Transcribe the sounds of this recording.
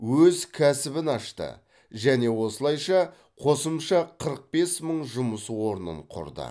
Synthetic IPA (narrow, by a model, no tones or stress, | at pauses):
wɵzkʲʰæsɪbɪnɑʃt̪ə̰ | ʒæne̞wo̞səlˠɑjʃɑ | qʰo̞səmʃɑqʰəɾəq̚be̞sməɴʒʊməswo̞ɾnə̰ɴqʰʊ̰ɾd̪ə̰